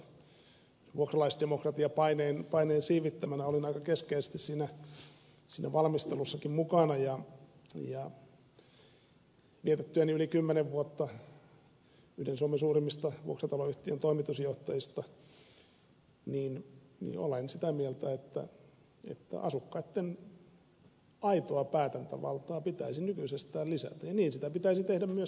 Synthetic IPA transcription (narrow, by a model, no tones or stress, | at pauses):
ʋuokrɑlɑisd̥emokrɑt̪iɑpɑineːnpɑineːnsiːʋit̪ːæmænæolinɑikɑkeskeise̥st̪issiːnæ | siːnæʋɑlmist̪elusːɑkimmukɑnɑjɑ | jɑ | ʋiet̪et̪ːyæniylikymːeneʋʋuot̪ːɑ | yhdensuomesuːrimːist̪ɑʋṵoksɑt̪ɑloyht̪iønt̪oimit̪usjoht̪ɑjist̪ɑ | niːnnḭːo̰lensit̪æmielt̪æet̪ːæ̰ | ḛt̪ːæ̰ʔɑ̰sukːɑit̪ːen | ɑit̪oɑpæːt̪ænt̪æ̰ʋɑ̰lt̪ɑːpit̪æ̰isinykysest̪æːlisæ̰t̪æjjɑniːnsit̪æpit̪æisit̪ehdæmmyø